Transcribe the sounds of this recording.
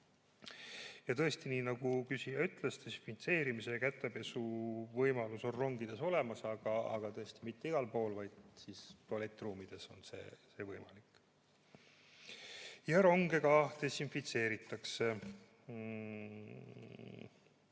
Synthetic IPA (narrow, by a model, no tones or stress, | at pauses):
jɑt̪ɤe̞st̪iniːnɑɡ̥ukysijɑyt̪ːˑlest̪e̞sinfint̪se̞ːɾimisekæt̪ːˑe̞pe̞suvɤjmɑluso̞nro̞ŋɡid̪̥e̞so̞le̞mɑsɑɡ̥ɑ̰ːɡ̥ɑt̪ɤe̞st̪imit̪ːeiɡ̥ɑlpo̞ːlvɑjd̪̥sist̪ole̞t̪ːˑruːmid̪̥e̞so̞nse̞̰ːse̞ːvɤjmɑlik | jɑɾo̞ŋɡe̞ɡɑt̪e̞sinfit̪se̞ːɾit̪ːˑɑkse̞